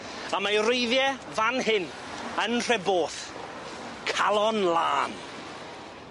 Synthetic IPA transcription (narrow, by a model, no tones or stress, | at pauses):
amajrɪjðjɛ | vanhɪn | ənr̥ɛboːθ | kʰalˠɔnlˠa̰ːn